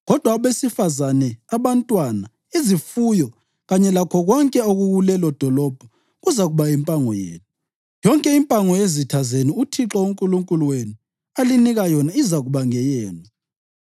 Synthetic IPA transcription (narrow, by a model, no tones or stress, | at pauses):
ɣɔd̥ʱwaβesifazanɛaβantʼwana | izifujɔ | ɣaɲɛlakʰɔɣwɔŋkʼɛoɣuɣulɛlɔd̥ʱɔlɔb̥ʱɔ | ɣuzaɣuβaimpʼaŋɔjḛːnu | jɔŋkʼɛimpʼaŋɔjezitʰazeniutʰiǁɔuŋkʼuluŋkʼuluwenu | aliniɣajɔnaizaɣuβaŋɛjɛːnɔ